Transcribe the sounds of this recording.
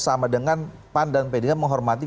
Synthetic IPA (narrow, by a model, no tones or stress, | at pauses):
samadəŋanpandanpedeŋaməŋɦɔrmat̪i